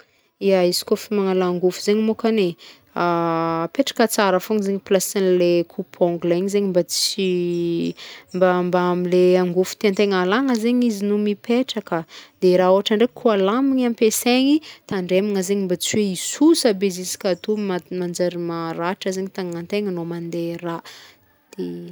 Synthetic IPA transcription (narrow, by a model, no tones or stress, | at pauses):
iaizi̥kofimaŋalaŋɡufuzeɲimokane | apeʈ͡ʂḁkət͡saɾəfuŋizeɲiplasanlekʰupʰɔ̃ŋɡlaiɲizeɲimbat͡si | mbambaamileaŋɡufu̥t̪iant̪eŋalaŋəzeɲizinumipeʈ͡ʂakəd̪̥eɾaoaʈ͡ʂaɳɖ͡ʐekʰualamiɲampeseɲit̪aɳɖ͡ʐemiŋəzeɲimbat͡siweisusəbezisi̥kʲat̪ummand͡ʒaɾimaɾaʈ͡ʂəzeɲit̪aŋŋant̪eŋanomand̪era | d̪̥e